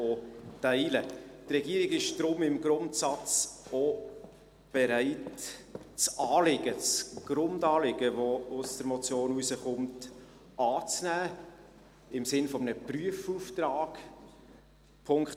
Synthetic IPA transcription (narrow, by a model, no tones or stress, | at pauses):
otæɪlətrɛɡiəɾɪɡɪʃd̥ɾʊmɪmɡɾʊntsɑt͡so | b̥ɛɾæɪt | t͡sɑːlɪɡ̥ət͡sɡ̥ɾʊndɑːlɪɡ̥əvɔʊsd̥əɾmɔt͡sjoːnusəχʊmt | ɑːt͡snæː | ɪmsɪnfɔmənəpryəfuːftrɑːɡ̥ | pʰʊŋkt